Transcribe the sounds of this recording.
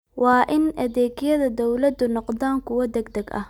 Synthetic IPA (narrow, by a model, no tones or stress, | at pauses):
wɑːʔɪnʔɐðɛːɡjɐðɐd̪ɔwlɐd̪ʊnɔqd̪aːŋkʰʊwɐd̪ɛɡd̪ɐɡɐ̰